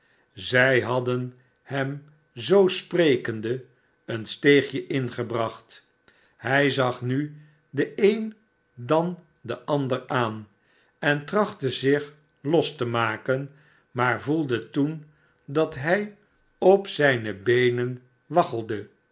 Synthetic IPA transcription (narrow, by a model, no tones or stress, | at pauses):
zɛjɦɑdən | hɛm | zowsprejkəndə | ənstejχjəʔɪnχəbrɑχt | hɛjzɑχny | dəejn | dɑn | dəʔɑndəraːn | ɛntrɑχtəzɪχ | lɔstəmaːkən | maːɹvulˠdətun | dɑtɦɛj | ɔpsɛjnəbejnən | ʋɑχəlˠdə